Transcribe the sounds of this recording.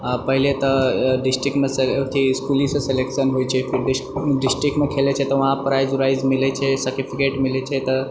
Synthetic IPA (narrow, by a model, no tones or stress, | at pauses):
pəɦilet̪əɖisʈɾik̚ʈmeset̪ʰiskulĩsəselekʃənɦojt͡ʃʰefiɾɖiɖisʈɾik̚ʈmekʰelet͡ʃʰet̪əʋɦãpɾajzuɾaizmilet͡ɕʰesəɾʈifikeʈmilet͡ɕʰet̪ə